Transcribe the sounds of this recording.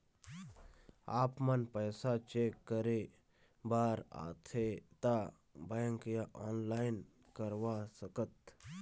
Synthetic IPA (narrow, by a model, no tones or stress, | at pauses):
aːpmənpəjsat͡ʃeːkːəɾe | baːɾa̰ːt̪ʰet̪a | bəjəŋkjaʔɔːnlaːɪn | kəɾʋasəkət̪̚